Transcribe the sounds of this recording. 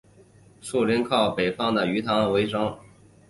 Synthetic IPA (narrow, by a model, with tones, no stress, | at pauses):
ʂu˥˩lɛ˧˥nkʰɑ˥˩ʊpe˨˩ɪfɑ˥ŋd̪ə˨y˧˥t̪ʰɑ˧˥ŋwe˧˥ɪʈ͡ʂɑ˥ŋ